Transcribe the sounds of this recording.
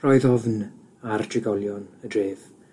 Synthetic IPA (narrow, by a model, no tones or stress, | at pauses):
rɔɨðɔvn | ard̥rɪɡɔlˠjɔnədreːv̥